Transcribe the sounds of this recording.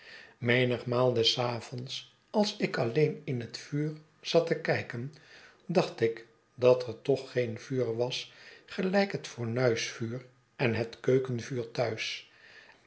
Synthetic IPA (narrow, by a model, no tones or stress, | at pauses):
mejnəχmaːlˠdɛsaːvɔns | ɑlˠsɪkɑlejnɪnɦətfyːɹ | z̥ɑtəkɛjkən | dɑχtɪk | dɑtɛɹtɔχːejnvyːɹʋɑsχəlɛjkɦətfʊːɹnœɥsfyːr | ɛnɦətkøɥkənvyːɹtœɥs